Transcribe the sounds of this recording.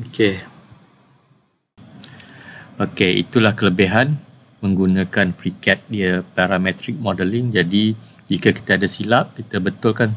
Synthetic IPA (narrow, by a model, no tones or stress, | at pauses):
oke | okeḭt̪ulahkələbeɦan | mə̃ŋɡunãkanfɾikɛt̪̚diəpaɾamɛ̃t̪ɾɪk̚mɔdəlɪŋd͡ʒadi | d͡ʒikaki̥t̪aːdasilap̚kit̪əbət̪ʊlkan